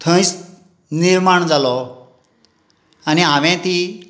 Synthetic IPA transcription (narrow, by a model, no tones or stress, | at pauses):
t̪ʰə̃js | niɾmaɳd͡zalɔ | aniɦãʋɛ̃t̪i